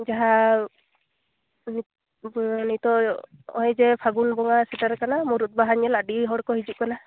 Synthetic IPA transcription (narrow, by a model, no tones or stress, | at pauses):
d͡ʒaɦa | n | nit̪ɔɔ̰ɦɔjzɛpʰaɡunbɔŋasɛtaɾkanamuɾut̪̚baɦaɲɛladiɦɔɽkɔɦizuʔkana